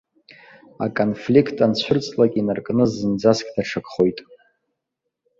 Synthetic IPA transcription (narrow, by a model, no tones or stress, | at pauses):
a̰kʼonflikʰtʼant͡ɕʷʰʊrt͡sʼlakʲʼinarkʼnɨzɨnd͡zaskʲʼdaʈ͡ʂʰakʰʼχo̞jtʼ